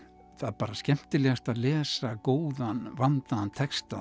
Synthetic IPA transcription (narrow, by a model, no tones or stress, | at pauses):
θapaːɾascɛm̥t̪ɪlɛɣast̪aðlɛːsakoːwðanvant̪ant̪ʰɛkst̪a